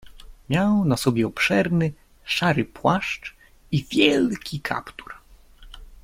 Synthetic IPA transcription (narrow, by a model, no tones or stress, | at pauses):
mʲjawnasɔbʲjɛɔpʂɛɾnɘ | ʂaɾɘpwaʂt͡ʂ | ivʲjɛlkʲikʰa̰pt̪u̥ɾ